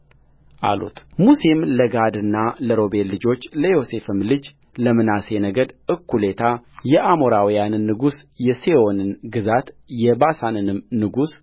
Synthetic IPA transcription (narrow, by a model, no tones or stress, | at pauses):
ʔa̰lṵt̪musimləɡad̪ɨnːaləɾo̞belːɨd͡ʒo̞t͡ʃːləjo̞se̞fɨmlɨd͡ʒ | ləmɨnase̞nəɡəd̪ʔɨkʰːule̞t̪ʰajɛʔamo̞ɾawijanɨnːɨɡusjɛseo̞nɨnɡɨzat̪jɛbasanɨnɨmnɨɡus